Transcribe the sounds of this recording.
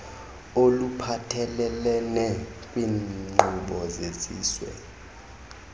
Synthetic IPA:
olupʰatʰɛlɛlɛnɛkʼwiːŋ͡ǃuɓɔzezḭːswɛ̰

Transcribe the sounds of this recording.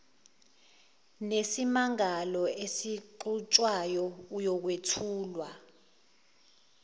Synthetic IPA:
nesimaŋalɔesiǃut͡ʃʼwajɔujɔk̬wetʰuːlwa

